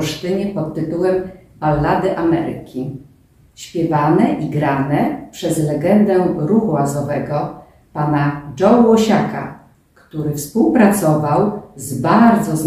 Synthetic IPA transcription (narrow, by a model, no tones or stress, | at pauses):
ʂt̪ɘɲɛpɔt̪ːɘt̪uwɛm | palːad̪ɘʔamɛ̰ɾɘ̰kʲi | ɕpʲjɛvanɛʔiɡɾanɛpʂɛzlɛɡɛnd̪ɛɾuxuwazɔvɛɡɔ | panad͡ʐɔwwɔɕaka̰ | kt̪uɾɘfspuwpɾat̪sɔvawzbaɾd̪zɔz